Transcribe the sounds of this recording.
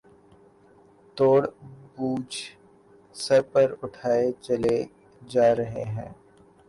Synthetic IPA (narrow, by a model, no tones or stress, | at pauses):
t̪oːɽbuːd͡ʒ | sɐɾpɐɾʊʈʰaːet͡ʃɐle | d͡ʒaːɾɐɦḛɦɛ̰̃ː